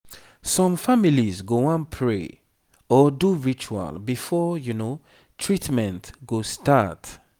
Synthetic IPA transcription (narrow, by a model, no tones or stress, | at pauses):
sɔ̃mfamilizɡoãnpʰɹḛ | ɔduɹit͡ʃua̰lbifɔjuno | tʰɹitmɛ̃ntɡostat